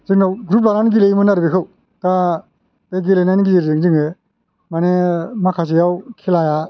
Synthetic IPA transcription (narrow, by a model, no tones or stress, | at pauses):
zɯŋnawɡɾup̬̚laɾanɡilejmɯnaɾbikʰɯw | ta | eɡilenajniɡizeɾziŋzɯŋe | manemakʰas̬ijawkʰilaja